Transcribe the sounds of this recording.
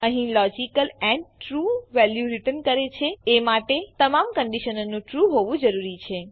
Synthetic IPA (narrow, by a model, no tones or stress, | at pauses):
əɦĩlɔd͡ʒikəlɛ̃ɳɖʈɾuʋɛljuɾiʈənkəɾet͡ʃʰeemaʈet̪əmamkəɳɖiʃənənũʈɾuɦoʋũd͡ʒəɾuɾit͡ʃʰe